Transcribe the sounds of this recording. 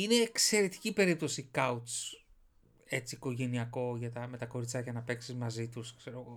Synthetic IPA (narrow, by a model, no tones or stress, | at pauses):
ine̞ːkse̞ɾe̞t̪i̥cipe̞ɾip̚t̪osikɐut̪s | e̞t͡siːko̞ʝe̞niɐko̞ʝɐt̪ɐme̞t̪ɐko̞ɾit͡sɐʝɐnɐpe̞ksizmɐzit̪uskseɾo̞ɣo